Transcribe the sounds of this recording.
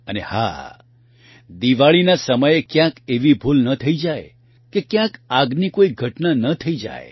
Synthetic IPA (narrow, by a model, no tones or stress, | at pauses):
əneha̰ | d̪iʋaɭinasəməjekjãkeʋibʱulnət̪ʰəid͡ʒaj | kekjãkaɡnikoiɡʱəʈnanət̪ʰəid͡ʒa̰j